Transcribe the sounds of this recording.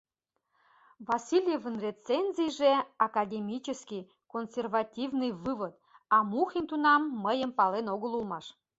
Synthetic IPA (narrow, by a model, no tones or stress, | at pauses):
vɑsʲilʲjevənret͡senʲzʲiʒeɑkɑd̪ʲemʲit͡ɕəskij | konsʲervɑt̪ʲivnɨjvɨβət̪̚ɑmuxint̪unɑmːəjəmpɑlenoɣəlulmɑʃ